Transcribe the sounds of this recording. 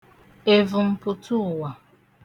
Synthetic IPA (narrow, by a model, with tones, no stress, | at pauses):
e˦vʊ˨m̩˦pʊ˦tʰu˦˨wa˨